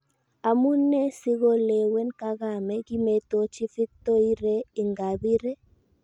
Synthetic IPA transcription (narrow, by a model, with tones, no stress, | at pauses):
a˨mu˦nɛ˦sɪ˦ɣo˦le˨wɛ˦nka˦ɣa˨mɛ˨ki˦me˦t̪o˦t͡ʃi˦fi˦t̪o˦i˦ɾe˦i˨ŋɡa˨bi˦ɾe˦